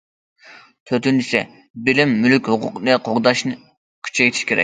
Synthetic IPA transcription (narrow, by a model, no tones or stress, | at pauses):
t̪ʰøɾt̪ynt͡ʃʰi̥sɛ̰ | bɪlɪmːylykʲhʊqʰʊ̰qnɨqʰoʁd̪ɑʃnɨ | kʲʰy̥t͡ʃʰɛjt̪ʰi̥ʃkʲʰeɾɛ̰k̚ʲ